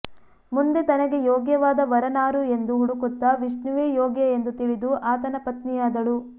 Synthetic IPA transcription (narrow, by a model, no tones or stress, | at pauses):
mund̪e̞t̪ɐnɐɡe̞jɔːɡjɐʋaːd̪ɐʋɐɾɐnaːɾue̞nd̪uɦuɽukut̪ːɐʋiʂnuʋeːjɔːɡjɐend̪ut̪iɭid̪uʔaːt̪ɐnɐpɐt̪nijaːd̪ɐɭu